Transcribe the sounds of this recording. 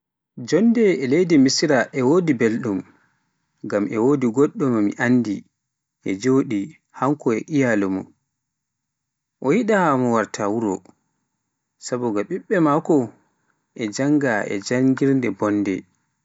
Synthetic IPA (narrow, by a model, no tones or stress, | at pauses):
d͡ʒɔndɛɛlejdimisiɾaʔɛwoːdibelɗum | ɡamʔɛwoːdiɡɔɗːɔmmḭʔanːdi | ʔɛd͡ʒoːɗi | haŋkɔɛʔijalumɔ | ʔɔjiɗaamɔwaɾtʰawuɾɔ̰ | sabɔɡaɓiɓːɛmakɔ | ʔɛd͡ʒaŋɡaɛ̰d͡ʒaŋɡiɾndɛbɔnːdɛ̰